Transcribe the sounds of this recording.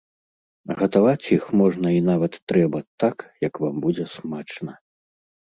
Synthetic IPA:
ɣɐt̪avat͡sʲjixmɔʐnɐinavɐt̪ːɾɛbɐt̪akjɐkvambud͡zʲɛsmat͡ʂnɐ

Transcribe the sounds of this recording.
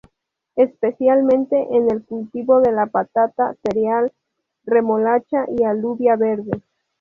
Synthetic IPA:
espesjalmẽnt̪e̞ʔenelkult̪iβo̞ðe̞lapat̪at̪aseɾjal | remolat͡ʃaʔialuβjaβeɾðe

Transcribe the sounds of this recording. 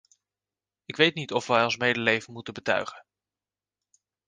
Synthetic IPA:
ɪkʋejtnitɔfʋɛjɔnsmejdəlejvənmutəbətœ̰ɥχən

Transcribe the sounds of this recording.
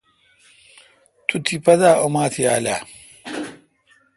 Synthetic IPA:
t̪ʰut̪ʰipɐd̪aːomaːt̪ʰia̰ːlaː

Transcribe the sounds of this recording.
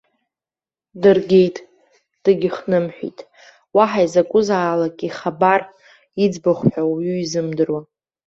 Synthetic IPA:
dɨrɡʲe̞jtʼ | d̥ɨɡʲɪχnɨmħʷᶣḭtʼ | waħaizakʷʼʊzaːlakʼiχabar | id͡zbaχʷħʷᶣawɥyizɨmdɨrwa

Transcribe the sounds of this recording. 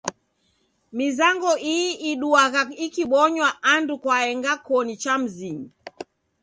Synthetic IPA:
mizaŋɡɔʔiʔiɗuaɣaikiɓɔɲwaʔandukwaɛŋɡakɔnit͡ʃam̩ziɲi

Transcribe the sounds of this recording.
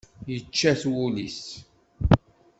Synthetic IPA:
jət͡ʃːæθwuliθ

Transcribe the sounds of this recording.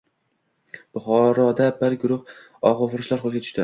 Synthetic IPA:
b̥ʊχɒɾɒd̪abɪɾɡʊɾʊχ | ɒʁofʊɾɪʃlaɾχolˠɡʲat̪ʊ̥ʃt̪ɪ

